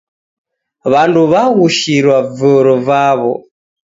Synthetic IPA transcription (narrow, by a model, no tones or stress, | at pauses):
βanduβaɣuʃiɾwavɔɾɔvaːβɔ̰